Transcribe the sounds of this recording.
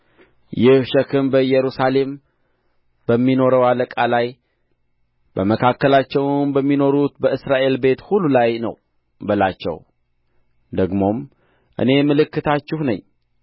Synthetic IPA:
jɪhʃəkʰɨnbəjɛɾusale̞m | b̥əmːino̞ɾəwaləkʼalaj | bəməkʰakːəlat͡ʃːɛwnbəmːino̞ɾut̪bəɨsɾaʔe̞lbe̞t̪hulːulajnə̰w | bəlat͡ʃːɛ̰w | d̪əɡmo̞m | ʔɨ̰ne̞mɨlɨkːɨt̪ʰat͡ʃːɪhnə̰ɲː

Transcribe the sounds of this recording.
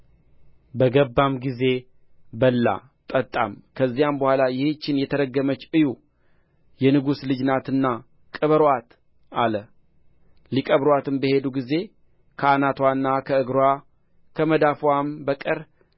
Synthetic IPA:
bəɡəbːamɡize̞ | bəlːa̰ | t̪ʼət̪ʼa̰mkʰəzːijambəhʷalajɪht͡ʃːɪnjɛt̪ʰəɾəɡːəmət͡ʃːʔɨju | jɛnɨɡuslɨd͡ʒnat̪ɨnːa | kʼəβəɾwat̪ | ʔalə | likʼəβɾwat̪ɨmbəhe̞d̪uɡize̞ | kʰəanat̪wanːakʰəɨɡɾowa | kʰəməd̪afwambəkʼəɾ

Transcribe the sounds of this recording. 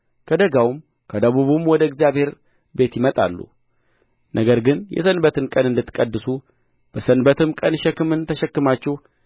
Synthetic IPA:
kʰəd̪əɡawum | kʰəd̪əβuβumwɔd̪əɪɡzjaβhe̞ɾ | be̞t̪jɪmət̪ʼa̰lːṵ | nʔəɡəɾɡɨnjɛ̰sənbət̪ɨnkʼənɨnd̪ɨt̪ːɨ̥kʼəd̪ːɨsu | b̥əsənbət̪ɨmkʼənʃɛkːɨmɨnt̪ʰəʃɛkːɨmat͡ʃːɛh

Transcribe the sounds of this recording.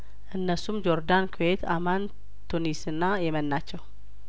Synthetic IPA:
ʔɨnːəsumd͡ʒo̞ɾd̪ankʰuet̪aman | t̪ʰunisɨnːajɛmənːat͡ʃːɛw

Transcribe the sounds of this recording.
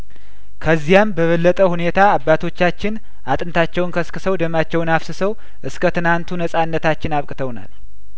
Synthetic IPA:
kʰəzːijambəβəlːət̪ʼəhune̞t̪ʰaːbːat̪ʰo̞t͡ʃːat͡ʃːɪn | ʔat̪ʼɨnt̪ʰat͡ʃːɛwnkʰəskɨsəwd̪əmat͡ʃːɛwnaβsɨsəw | ʔɨskʰət̪ɨnant̪ʰunəsʼanːət̪ʰat͡ʃːɪnaβkʼɨt̪ʰəwna̰l

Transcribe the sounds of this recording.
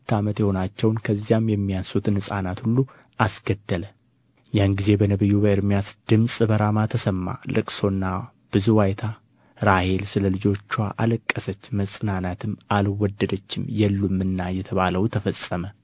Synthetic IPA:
t̪ːamət̪jɛho̞nat͡ʃːɛwnkʰəzːijamjɛmːijansut̪ɨnhɨsʼa̰nat̪hulːu | ʔasɡəd̪ːələ | janɡize̞bənəβɨjːubəɨɾmijasd̪̥ɨmsʼɨbəɾamat̪ʰəsəmːa̰lɨ̰kʼso̞nːa | b̥ɨzuwajt̪ʰa | ɾahe̞lsɨləlɨd͡ʒo̞t͡ʃːuwaʔa̰ləkʼːəsət͡ʃːməsʼɨnanat̪ʰɨmalwɔd̪ːəd̪ət͡ʃːɪmjɛlːumːɨnːajɛt̪ʰəβaləwt̪ʰəfəsʼəmə

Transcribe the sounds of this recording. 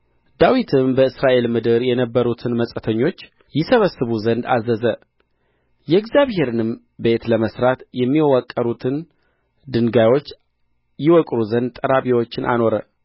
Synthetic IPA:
d̪awit̪ʰɨmbəɨsɾaʔe̞lmɨd̪ɨɾjɛnəbːəɾut̪ʰɨnməsʼət̪ʰəɲːo̞t͡ʃː | jɪsəβəsːɨβuzənd̪a̰zəzə | jɛɪɡzjaβhe̞ɾɨnɨm | be̞t̪ləməsɾat̪jɛmːiwwakʼːəɾut̪ʰɨn | d̪ɨŋɡajwo̞t͡ʃː | jiwɔkʼɾuzənd̪̚t̪ʼəɾaβiwo̞t͡ʃːɪnʔa̰no̞ɾə

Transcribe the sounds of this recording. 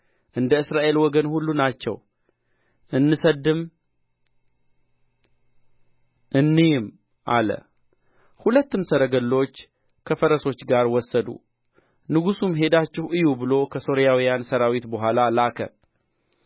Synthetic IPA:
ʔɨnd̪əɨsɾaʔe̞lwɔɡənhulːunat͡ʃːɛ̰w | ʔɨnːɨsəd̪ɨm | ʔɨnːijɪm | ʔa̰lə̰ | hulət̪ːɨmsəɾəɡəlːo̞t͡ʃː | kʰəfəɾəso̞t͡ʃːɡaɾwɔsːəd̪ṵ | nɨɡusumɦe̞d̪at͡ʃːɪhʔɨjubɨlo̞kʰəso̞ɾijawijansəɾawit̪bəɦʷalalakʰə̰

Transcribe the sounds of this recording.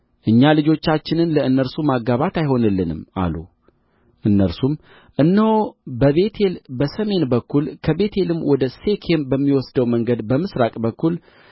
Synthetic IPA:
ʔɨɲːalɨd͡ʒo̞t͡ʃːat͡ʃːɪnɨnləɨnːəɾsumaɡːaβat̪ajɦo̞nɨlːɨnɨ̰ma̰lu | ʔɨnːəɾsum | ʔɨnːəhobəβe̞t̪ʰe̞lbəsəme̞nbəkːulkʰəbe̞t̪ʰe̞lɨmwɔd̪əse̞kʰe̞mbəmːiwɔsd̪əwməŋɡəd̪bəmɨsɾakʼbəkːul

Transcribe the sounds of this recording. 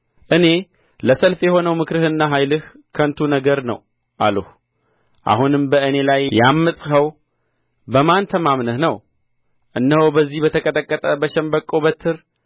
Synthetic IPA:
ʔɨne̞ | ləsəlfjɛho̞nəwmɨkɾɨhɨnːaɦajlɨh | kʰənt̪ʰunəɡəɾnə̰w | ʔa̰ləh | ʔa̰hunɨmbəɨne̞lajjamːəsʼhəw | bəmant̪ʰəmamnəhnəw | ʔɨnːəhowbəzːihbət̪ʰəkʼət̪ʼəkʼːət̪ʼəbəʃɛmbəkʼːobət̪ʰːɨɾ

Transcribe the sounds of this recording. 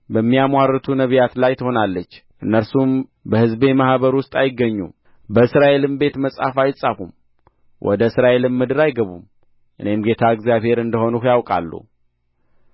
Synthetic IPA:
bəmːijamwarːət̪ʰunəβijat̪lajt̪ʰəho̞nalːət͡ʃːʔɨnːəɾsumbəhɨzbe̞mahβəɾwʊst̪ʼajɪɡːəɲːṵm | bəɨsɾaʔe̞lɨmbe̞t̪məsʼa̰fajsʼafṵm | wʔɔ̰d̪əɨsɾaʔe̞lɨnmɨd̪ɨɾajɡəβṵm | ʔɨ̰ne̞mɡe̞t̪ʰaɨɡzijaβhe̞ɾɨnd̪əho̞nukjawkʼa̰lːṵ

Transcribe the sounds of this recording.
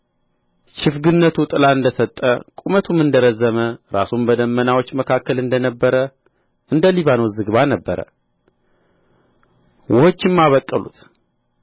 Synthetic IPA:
t͡ʃɪfɡɨnːət̪ʰut̪ʼɨlaɨnd̪əsət̪ʼːə̰kʼumət̪ʰumɨnd̪əɾəzːəməɾa̰sumbəd̪əmːənawo̞t͡ʃːməkʰakːəlɨnd̪ənəbːəɾə | ʔɨnd̪əliβanozɨɡβanəbːəɾə̰ | wʔʊhot͡ʃːɪmːaβəkʼːəlṵt̪

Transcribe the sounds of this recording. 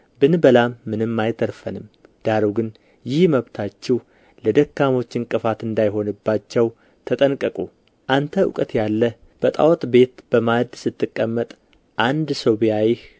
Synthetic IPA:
bɨnbəlamːɨnɨmːajt̪ʰəɾfənɨmd̪̥aɾoɡɨn | jɪhməβt̪ʰat͡ʃːɛh | ləd̪əkːamo̞t͡ʃːɨŋkʼːɨfat̪ɨnd̪ajɦo̞nɨbːat͡ʃːɛw | t̪ʰət̪ʼənkʼːəkʼu | ʔant̪ʰəʊ̰kʼət̪jalːə | b̥ət̪ʼa̰wɔt̪ʼbe̞t̪b̥əmad̪sɨt̪ːɨkʼːəmːət̪ʼ | ʔand̪soβijajɪh

